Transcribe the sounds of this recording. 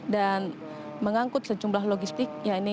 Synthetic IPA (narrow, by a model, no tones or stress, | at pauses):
dan | məŋaŋkʊt̪̚səd͡ʒumblaɦloɡist̪ɪk̚jaini